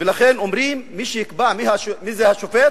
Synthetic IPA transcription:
velaχenomɾimːiʃejikbamihaʃmizehaʃofet̪̚

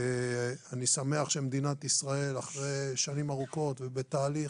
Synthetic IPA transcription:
anisame̞aχʃemed̪inat̪isʁae̞laχʁeʃanimaʁuko̞t̪vebet̪aːli

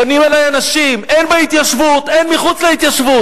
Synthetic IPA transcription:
animelajanaʃimenbait̪jaʃvut̪enmiχut͡sleit̪jaʃvu

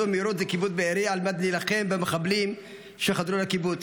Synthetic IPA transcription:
omiɾot̪zekibut͡sbeeɾialmad̪nilaχembemeχablim | ʃeχad̪ɾulakibut͡s

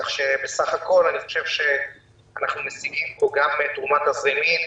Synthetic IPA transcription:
χʃe̞besaχako̞laniχo̞ʃe̞vʃe̞ | anaχnumesiɡimpo̞ɡamet̪ʁumat̪hazemin

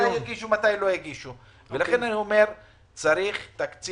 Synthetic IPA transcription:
ajaɡiʃumat̪ajlo̞jaɡiʃu | velaχe̞nanio̞me̞ɾ | t͡saɾiχt̪akt͡s

